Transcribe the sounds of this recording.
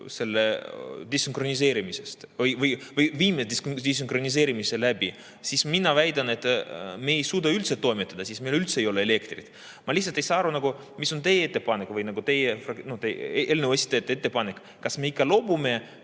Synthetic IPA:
se̞lːed̪isiŋkro̞nis̬e̞ːɾimise̞st̪vɯjvɯjvɯjviːmesed̪isd̪̥ʲis̬iŋkro̞nis̬e̞ːɾimise̞læb̥i | sisminɑvæjd̪ɑne̞t̪meːejsuːd̪ɑylt̪set̪ːo̞jmet̪ːˑɑd̪̥ɑsismejlylt̪sejo̞leele̞kt̪rḭt̪ | mɑlihts̬ˑɑlt̪ejsɑːɑɾunɑɡu | miso̞nt̪e̞jet̪ːepɑnekːvɯjnɑɡut̪e̞jefrɑnot̪ejelnevesʲi̥t̪et̪ːet̪ːe̞pɑnek | kɑsme̞ikːɑlo̞bume̞

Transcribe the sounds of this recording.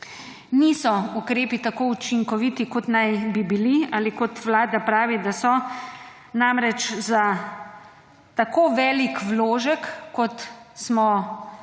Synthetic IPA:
nisɔukɾeːpit̪akoːut͡ʃiŋkɔʋit̪ikɔt̪najbibiliaːlikɔt̪ʋlaːd̪apɾaːʋid̪asɔ | namɾɛt͡ʃza | t̪akoːʋɛːlikwloːʒəkːɔt̪smɔ

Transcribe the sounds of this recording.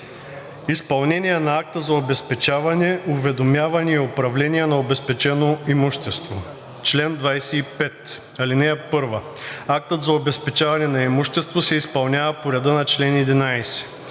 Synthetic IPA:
ispɐlˠnɛnʲiɛnɐak̚t̪əzɐobɛspɛt͡ʃavɐnɛuvɛd̪omʲjavɐnɛiopɾɐvlɛniɛnɐobɛspɛt͡ʃɛnoimuʃt̪ɛst̪vo | t͡ʃlɛnd̪vajsɛipɛt̪ | ɐlinɛɛpɤɾvə | ak̚t̪ət̪zɐobɛspɛt͡ʃavɐnɛnɐimuʃt̪ɛst̪vosɛispɐlˠnʲjavɐpoɾʲɛd̪ənɐt͡ʃlɛnɛd̪inajsɛ̥

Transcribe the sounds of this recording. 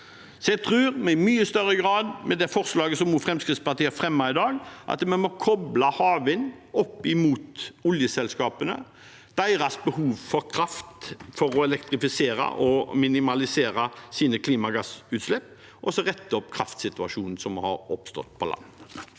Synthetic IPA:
sɔjɛɡt̪ʰɾʉːʁmɛɪmyːəst̪œɾːəɡʁɑːd̪mɛd̪ɛfɔʁslɑːɡəsɔmuːfʁɛmskɾɪt̪spɑʁt̪iːəfɾɛmːɑɪd̪ɑːɡʔɑ̰t̪mɛnmɔkʰɔblɑhɑːʋənɔpːɪmuːt̪ʊljəsɛlskɑːpənə̰ | d̪̥æɪɾɑsbəhuːʋfɔɾkʰɾɑft̪fɔɾɔɛlɛkt̪ɾɪfɪseːɾɑ̰ʔɔmɪnɪmɑlɪseːɾɑsiːnəkʰliːmɑɡɑsʉːt̪slɛpː | ʔɔsɔʁɛt̪ːəɔpkʰɾɑ̰ft̪sɪt̪ʉɑʂuːnn̩sɔmhɑ̰ɾɔpst̪ɔ̰t̪̚ːpʰɔlʔɑ̰nː

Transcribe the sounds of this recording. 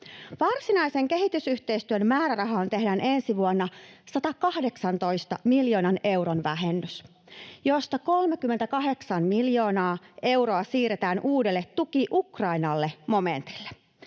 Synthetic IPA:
ʋɑrsinɑjse̞ŋke̞ɦit̪ysyçt̪e̞jst̪yønmæːɾærɑɦɑːnt̪e̞ɦdæːnʔe̞nsiʋuonːɑsɑt̪ɑkɑhde̞ksɑnt̪o̞jst̪ɑmiljo̞ːnɑne̞wɾonʋæɦenːys | jo̞st̪ɑko̞lme̞kymːent̪ækɑɦe̞ksɑnmiljo̞ːnɑːe̞wɾo̞ɑsiːɾet̪æːnʔuːdelːet̪ːukiʔukrɑinɑlːe̞mo̞me̞nt̪i̥lːe

